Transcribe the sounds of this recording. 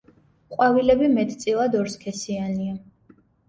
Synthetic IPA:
qʼwavilɛbimɛt̪ʰʼt̪sʼilˠad̪ɔɾskʰɛsiania

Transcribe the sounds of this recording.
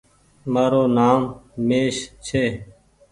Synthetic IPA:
maːɾoːnaːmmeːʃt͡ʃʰeː

